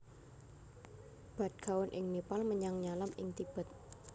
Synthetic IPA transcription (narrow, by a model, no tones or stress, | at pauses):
b̥a̤t̪̚kawʊnʔɪŋnepalməɲaŋɲalamɪ̰ŋt̪ib̥ə̤t̪̚